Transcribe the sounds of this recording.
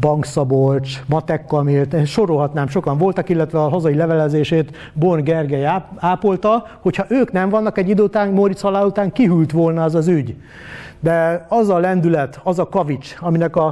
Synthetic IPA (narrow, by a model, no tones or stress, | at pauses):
bɒŋksɒbolt͡ʃmɒt̪ɛkːɒmeːlt̪ʃo̞ɾo̞lɦɒt̪naːmʃo̞kɒɱvo̞lt̪ɒkilːɛt̪ʋɛɒɦɒzɒilɛvɛlɛzeːʃeːt̪ | borɡɛrɡɛjaːpo̞lt̪ɒ | ho̞chɒʔøːknɛɱvɒnːɒkɛɟːid̪øːut̪aːŋmoɾit̪shɒlaːlut̪aːŋkiɦylt̪ʋo̞lnɒɛzɒzyɟ | d̪ɛɒzɒlɛnd̪ylɛt̪ʰɒzɒkɒvit͡ʃɒminɛkɒ